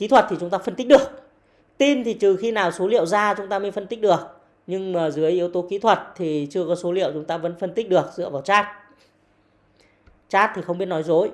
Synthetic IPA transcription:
ki˨˦t̪ʰwə˨˩t̚t̪i˨˩t͡ɕʊ˨˦ŋ͡mt̪aː˧fə˧nt̪k̚ɗɨ˨˩ə˩k̚ | t̪i˧nt̪ʰi˨˩t̪ɨ˨˩xi˧naː˨˩wso˨˦lḭ˧˨əwzaː˧t͡ɕʊ˨˦ŋ͡mt̪aː˧mə˨˧˦fə˧nt̪k̟̚ɗɨ˨˩ək̚ | ɲɨ˧ŋmaː˨˩zɨ˨˦əjʔi˨˦əwt̪o˨˦ki˨˦t̪ʰwə˨˩t̚t̪ʰi˨˩t͡ɕɨ˧əkɔ˨˦so˨˦lḭ˧˨əwt͡ɕʊ˨˦ŋ͡mt̪aː˧və̰˧˥nfə˧nt̪i̟˦˥ɗɨ˨˩ək̚zɨ̰˧˨əvaː˨˩wt͡ɕaː˦˥t̚ | t͡ɕaː˦˥t̚t̪ʰi˨˩xə˧ŋ͡mi˦˥t̚nɔ˨˦jzo˨˦j

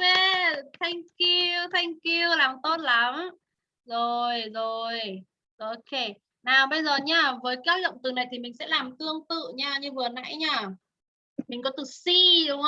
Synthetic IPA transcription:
e˧t̪ʰa˧jŋ̟ki˧wt̪ʰa˧jŋ̟ki˧əwlaː˨˩mt̪o˦˥t̚la˨˦m | zo˨˩jzo˨˩j | zo˨˩˧ke˧˩ | naː˨˩wɓə˧jzəː˨˩ɲaː˧˩vəː˨˦jka˨˦˥t̚lə̰˧˨wŋ͡mt̪ɨ˨˩na˨˩jt̪ʰi˨˩mï˨˩ŋ̟sɛ̰˧˥laː˨˩mt̪ɨ˧əŋt̪ɨ̰˧˨ɲaː˧ɲɨ˧vɨ˨˩əna̰˧˥jɲaː˧˩ | mï˨˩ŋ̟kɔ˨˦t̪ɨ˨˩si˧ɗʊ˨˦ŋ͡m

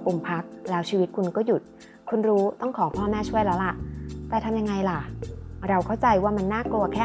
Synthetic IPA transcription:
ʔu˨˩mpʰa˦˥k̚lɛː˦˥wt͡ɕʰiː˧wi˦t̪̚kʰu˧nkɔː˥˩ju˨˩t̪̚ | kʰu˧nɾuː˦˥t̪ɔ˥˩ŋkʰɔː˩˦pʰɔː˥˩mɛː˥˩t͡ɕʰu˥˩əjlɛː˦˥wla˨˩ʔt̪aː˧˩t̪ʰa˧mja˧ŋːa˧jla˨˩ɾa˧wkʰa˥˩wt͡ɕa˧jwaː˥˩ma˧nːaː˥˩klu˧ɐkʰɛː˥˩

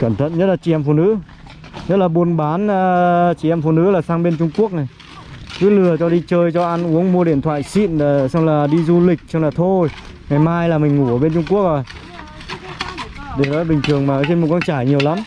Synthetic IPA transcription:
kə˧˩nt̪ʰə̰˧˨nɲə˦˥laː˨˩t͡ɕi˨˧˩ʔɛ˧mfṵ˧˨nɨ̰˧˥ | ɲə˦˥t̚laː˨˩ɓu˧˩ənɓaː˨˦nː˧t͡ɕi˨˩ʔɛ˧mfu˧˩nɨ̰˧˥laː˨˩saː˧ŋɓe˧nt͡ɕʊ˧ŋ͡mku˦˥ək̚na˨˩j | kɨ˨˦lɨ˨˩ət͡ɕɔ˧ɗi˧t͡ɕəː˧jt͡ɕɔ˧ʔa˧nʔu˨˦əŋmu˧əɗḭ˧˨ənt̪ʰwa̰ː˧˨jsḭ˧˨n˨˩sa˧wŋ͡mlaː˨˩ɗi˧zu˧li˨˩k̟̚sa˧wlaː˨˩t̪ʰo˧j | ŋa˨˩jmaː˧jlaː˨˩mï˨˩ŋ̟ŋu˧˩ʔəː˧˩ɓe˧nt͡ɕʊ˧ŋ͡mku˦˥ək̚o˧˨˩j | ɗe˧˩ɗɔ̰ː˨˦˥ɓï˨˩ŋ̟t̪ʰɨ˨˩əŋmaː˨˩˨t̪i˧nmu˨˩kɔ˧nt͡ɕaː˧˩jɲi˨˩əwla˨˦m

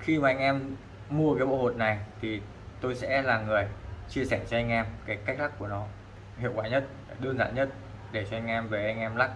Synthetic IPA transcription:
xi˧maː˨˩ʔa˧ŋ̟ʔɛ˧m | mu˧əkaː˨˦jɓo̰˧˩ho˨˩t̚na˨˩jt̪ʰi˨˩ | t̪o˧jsɛ̰˧˥laː˨˩ŋɨ˨˩əjt͡ɕi˧əsɛ˧˩t͡ɕɔ˧ʔa˧jŋ̟ʔɛ˧mkaː˨˦jkk̟̚lʰa˦˥kːu˧˩ənɔ˨˦ | hḭ˧˨əwkwaː˧˩ɲə˦˥t̚ | ɗɨ˧ənza̰ː˧˨nɲə˦˥t̚ | ɗe˧˩t͡ɕɔ˧ʔa˧jŋ̟ʔɛ˧mve˨˩ʔa˧jŋ̟ʔɛ˧mla˦˥k̚

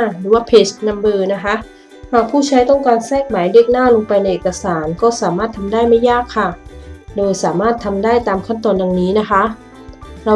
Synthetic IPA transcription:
ɾɯː˩˦waː˥˩pʰe˦˥s̚na˧mbɤː˧na˦˥kʰa˦˥ʔ | haː˧˨˩k̚pʰuː˥˩t͡ɕʰa˦˥jt̪ɔ˥˩ŋkaː˧nsɛː˥˩k̚maː˨˩˦jdie˥˩k̚naː˥˩lo˧ŋpa˧jna˧jʔeː˨˩ka˧saː˩˦nkɔː˥˩saː˩˦maː˥˩t̪ʰa˧mdaː˥˩jma˥˩jːaː˥˩kʰːa˧˩doː˧jsaː˩˦maː˥˩t̪ʰːa˧mdaː˥˩jt̪aː˧mkʰa˥˩nt̪ɔː˧nda˧ŋniː˦˥na˦˥kʰa˦˥ | ɾa˧

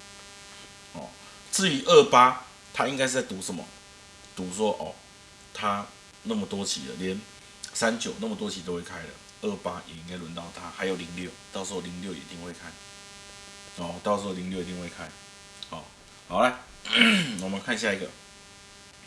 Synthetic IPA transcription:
hɔ̰˨˩ | t͡sɹ̩˥˩y˧˦ʔə˥˩pa˦˥ | t̪ʰa˦i˥ŋka˥ɪʂɨ˥˧˩t͡sa˥˩ɪt̪u˨˧˦sʂə˨˦nmə̰˨˩ | t̪u˨˦swɔ˦˥ʔɔ̰˨˩ | t̪ʰa˦ | na˥˩mə˨˩t̪wɔ˥t͡ɕʰḭ˨˦lə̰˨ljɛ˨˦n | sa˦nt͡ɕjo˨˩ʊna˥˩mə˨t̪wɔ˥t͡ɕʰi˨t̪o˥˦ʊxwe˥˩kʰa˦ɪlə̰˨ | ə˥˩pa˦jɛ̰˨˩i˦ŋka˥ɪlwə˧˦nt̪ɑ˥˩ʊt̪ʰa˦xa˧˥ɪjo˨˩ʊli˧˦ŋljo˥˨ʊt̪ɑ˥˩ʊsɯ˧˦˥o˥˩li˧˥˦ŋljo˥˨ʊjɛ̰˨˩ḭ˨t̪i˧ŋwe˥˩ɪkʰa˦ɪ | ɔ˨t̪ɑ˥˩ʊs̩˧˥o˥˩li˧˥ŋljʊi˨t̪i˧ŋxwe˥˩kʰa˦˥ɪ | hɔ˨˩ | ha˨˩ʊla˨˦ | wɔ˨˩mə˨˦nkʰa˥˧n˧ɕja˥˧i˧˥ɡə̰˨˩

